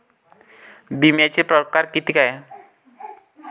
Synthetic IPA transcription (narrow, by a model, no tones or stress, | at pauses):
bimat͡ʃipɾɔkarkit̪ikaja